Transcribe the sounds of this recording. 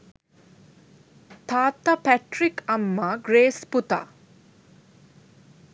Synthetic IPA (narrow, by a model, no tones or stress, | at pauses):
t̪ʰaːt̪ɐpɛʈɾikɐmːɐɡɾeːsput̪ɐ̰